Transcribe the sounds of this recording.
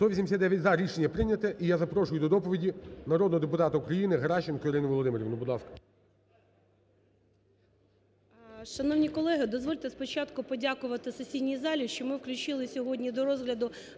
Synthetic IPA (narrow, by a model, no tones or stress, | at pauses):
t̪ɔʋʲisʲimʲsʲad̪ɛʋʲjɐtʲzɐɾʲiʃenʲːɐpɾɪnʲɐt̪ɛʔijazɐpɾɔʂʊjʊd̪ɔd̪ɔpɔʋʲidʲinɐɾɔd̪nɔɦɔd̪epʊt̪ɑt̪ɐukɾɐjinɪɦɐɾɑʃɪnkɔiɾɪnɪʋɔlˠɔd̪ɪmeɾʲiʋnʊbʊd̪ˠɑwkɐ̥ | ʃɐnɔwnʲikɔlˠɛɦɪd̪ɔzʋɔlʲt̪ɛspɔt͡ʃɑt̪kʊpɔdʲakʊʋɐt̪ɪsesʲidʲnʲijzɑlʲiʃt͡ʃɔmɪwklʲʊt͡ʃɪlˠɪsʲɔɦɔdʲnʲid̪ɔɾɔzɦlʲɐd̪ʊ